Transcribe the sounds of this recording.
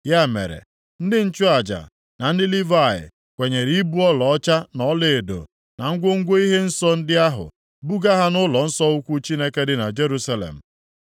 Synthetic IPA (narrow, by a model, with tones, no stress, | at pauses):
ja˦˨mḛ˨ɾḛ˨ | n̩˦dɪ˦n̩˦t͡ʃʊ˦a˨d͡ʒa̰˨ | na˨n̩˦dɪ˦li˦va˦˨ɪ̰˨ | kʷe˨ɲe˨ɾi˨˦i˦bu˦ɔ˦lɔ˨ɔ˦t͡ʃa˦nɔ˦le˨e˨do̰˨ | na˨ŋ̩˦ɡʷo˦ŋ̩˦ɡʷo˦i˦ɦe˦n̩˦sɔ˦n̩˦dɪ˦a˦ɦʊ̰˨ | bu˦ɡa˦ɦa˦nʊ˦lɔ˨n̩˦sɔ˦ʊ˦kʷu˦t͡ʃi˦ne˦ke˦dɪ˦na˨d͡ʒe˦ɾu˦sa˦lḛ˨m̩˨